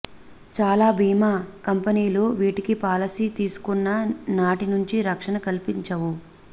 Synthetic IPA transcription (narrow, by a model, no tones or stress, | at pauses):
t͡ʃaːlaːbʱiːmaːkɐmpɐniːloːʋiːʈikipaːlɐsit̪iːsu̥kunːɐnaːʈinuɲt͡ʃiɾɐkʂɐnɐkɐlpiɲt͡ʃɐwu